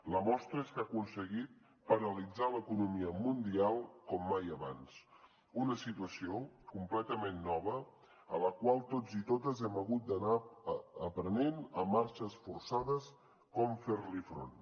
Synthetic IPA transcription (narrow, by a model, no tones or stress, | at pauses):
ləmɔst̪ɾəeskakunsəɣit̪̚ | pəɾəlid͡zaləkunumiəmund̪ialˠkɔmːajəβans | unəsit̪uəsiokumplɛt̪əmenːɔβ̞ə | ələkwalˠt̪od͡zit̪ot̪əzɛməɣut̪̚d̪ənaəpɾənenəmːaɾʃəsfursaðəs | kɔmfeɾlifɾo̰n